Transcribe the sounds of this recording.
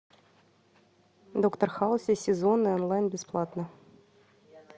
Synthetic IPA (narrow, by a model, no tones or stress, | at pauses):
d̪okt̪ərxɑlˠsʲesʲɪzonːɨonlˠɑjnbʲɪsplˠɑt̪nə